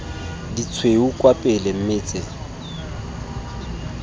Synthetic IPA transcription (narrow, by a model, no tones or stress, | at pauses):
dit͡sʰweukʼwapʼɪlem̩mɪːt͡sʼɪ